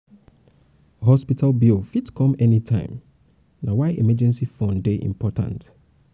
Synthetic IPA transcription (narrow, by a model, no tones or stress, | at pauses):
ɦɔspitʰalbilfitkʰɔ̃mɛnitʰãɪ̃m | nãwaɪʔɛmɛd͡ʒɛ̃nsifɔ̃ndeʔḭ̃mpʰɔtʰã̰nt